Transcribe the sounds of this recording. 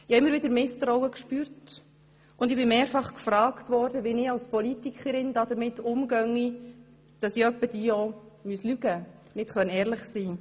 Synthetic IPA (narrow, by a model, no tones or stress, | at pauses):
ɪhɑɪməɾʋɪdəɾmɪstɾɔwəkʃpyːɾt | ʊndɪbɪmeːɾfɑχkfɾɑːktʋɔɾdəʋinɪɑwspɔlitikχəɾɪnd̥ɑdəɾmɪtːʊmɡœŋːi | d̥ɑsiœpːəd̥iːɔmyəslyɡənɪtχœnɛːɾlɪχsiː